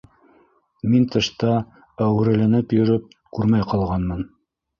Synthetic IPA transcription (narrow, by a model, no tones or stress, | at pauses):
mint̪ɤ̆ʃt̪ɑ | æwɘ̆ɾɘ̆lænɘpjɵ̆ɾɘp̚ | kʉɾmæjqɑlˠʁɑnmɤn